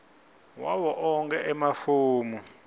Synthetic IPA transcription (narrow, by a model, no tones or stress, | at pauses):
wawɔʔɔŋkɛʔɛmafuːmu